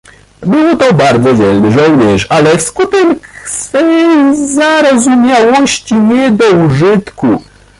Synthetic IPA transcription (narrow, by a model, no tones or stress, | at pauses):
bɘwɔt̪ɔbaɾd̪zɔvʲjɛlnɘʐɔwɲɛʂalɛfskut̪ɛksfɛjjzaɾɔzumʲjawɔɕt͡ɕiɲɛd̪ɔuʐɘt̪ku